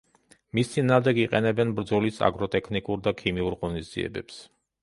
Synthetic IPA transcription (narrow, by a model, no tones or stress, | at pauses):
mist̪sʰinaːmd̪ɛɡiqʼɛnɛbɛnbɾd̪zɔlisa̰ɡɾɔt̪ʼɛkʰnikʼuɾd̪akʰimiuɾʁɔnizd̪z̥iɛ̰bɛ̰ps